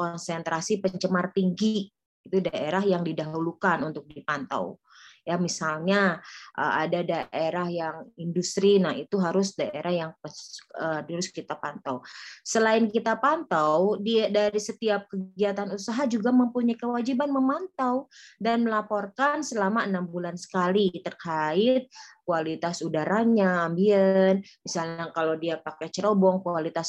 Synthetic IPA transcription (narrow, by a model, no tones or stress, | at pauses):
kɔnsɛnt̪ɾasipəɲt͡ʃəmart̪iŋɡi | it̪udaʔeɾahjaŋdidaɦulukanunt̪ʊk̚dipant̪a̰w | jamisalɲaʔə̰a̰dadaʔeɾahjaŋindust̪ɾinahit̪uɦaɾʊsdaʔeɾʔahjaŋpəsəduɾʊskit̪apant̪awsəlaɪnkit̪apant̪awdidaɾisət̪iap̚kəɡɡiat̪anusaɦad͡ʒuɡaməmpuɲajkəwad͡ʒibanməmant̪awdanməlapɔrkansəlamaənambulansə̥kalit̪ərkaɪt̪̚kualit̪asudaɾaɲaːmbiɛnmisalɲakalowdiapakɛt͡ʃəɾobɔŋkualit̪as